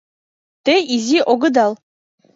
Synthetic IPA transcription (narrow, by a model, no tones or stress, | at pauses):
t̪eizʲiʔoɡɤ̆d̪ɑlˠ